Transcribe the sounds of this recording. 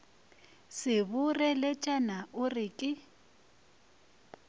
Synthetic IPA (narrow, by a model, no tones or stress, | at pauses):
sɪβʊrɛlɛt͡ʃʼanaʔʊrɪːkʼɪ